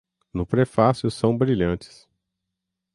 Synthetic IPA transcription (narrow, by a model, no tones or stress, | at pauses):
nʊpɾefasjʊsɐ̃w̃bɾiʎɐ̃t͡ʃɪ̥s